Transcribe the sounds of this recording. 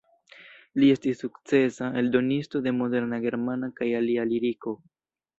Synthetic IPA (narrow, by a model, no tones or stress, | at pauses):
lie̞stisːukt͡se̞sae̞ldo̞nisto̞de̞mo̞de̞ɾnaɡe̞ɾmanakajalialiɾiko̞